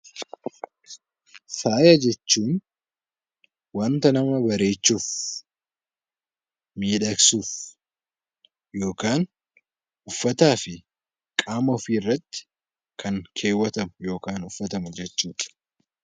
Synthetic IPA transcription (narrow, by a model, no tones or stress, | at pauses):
faːjɐd͡ʒɛt͡ʃːuːn | wɐnt̪ɐnɐmɐbɐɾe̞ːt͡ʃːuːf | miːᶑɐksuːf | jo̞ːkaːŋ | ʔʊfːɐt̪aːfɪ | kʼaːmɔfiːɪrːɐt̪ːɪ̥ | kʰɐŋkʰe̞ːwːɐt̪ɐmʊjo̞ːkaːnʊfːɐt̪ɐmʊd͡ʒɛt͡ʃːuːᶑɐ̥